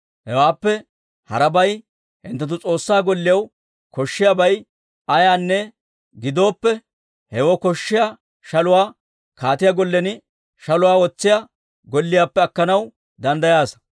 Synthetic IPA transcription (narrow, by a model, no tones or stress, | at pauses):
hɛwaːpːɛ | hɐ̰ɾɐbɐj | hɪnt̪ːɐt̪̬ːʊt͡sʼo̞ːsːaːɡɔlːɪjɐw | kɔʃːɪjabɐj | ɐjaːnːɛ | ɡɪd̪o̞ːpːɛ | hɛwɔkɔʃːɪja | ʃɐlʊwaː | kaːt̪ɪjaɡɔlːɛnɪ | ʃɐlʊwaːwɔt͡sːɪja | ɡɔlːɪjaːpːɛɐkːɐnɐw | d̪ɐnd̪ɐjaːs